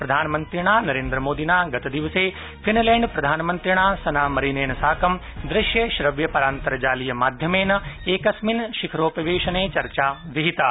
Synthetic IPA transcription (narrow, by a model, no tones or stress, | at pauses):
pɾɐd̪ʱaːnɐmɐnt̪ɾiɽ̃aːnɐɾeːnd̪ɾɐmoːd̪inaːɡɐt̪ɐd̪iʋɐseː | pʰinlẽːɳɖpɾɐd̪ʱaːnmɐnt̪ɾiɳ̃aːsɐnaːmɐɾineːnɐsaːkɐm | d̪ɾɪʃjɐʃɾɐʋjɐpɐɾaːnt̪ɐɾɐd͡ʒaːlijɐmaːd̪ʱjɐmeːnɐeːkɐsminʃikʰɾoːpɐʋeːʃɐneːt͡ʃɐɾt͡ʃaːʋiɦit̪aː